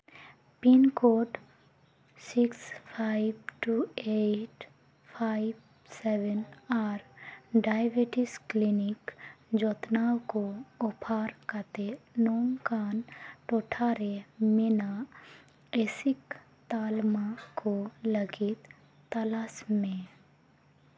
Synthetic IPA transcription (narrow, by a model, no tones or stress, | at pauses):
pinkoːɖ | sɪkspʰaibʈueʈ | pʰaɪb | sɛʋənaːɾɖajbeʈɪsklinikd͡ʒɔt̪naːwkoʊpʰaːɾkət̪enɔːŋkaːnʈoːʈʰaːɾemɪna | esɪk | t̪aːlmakoləɡɪt̪ː | əlasmẽ